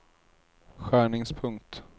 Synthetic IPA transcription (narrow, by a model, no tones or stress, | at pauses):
ɧæːɳɪŋspʰɵŋk̚t̪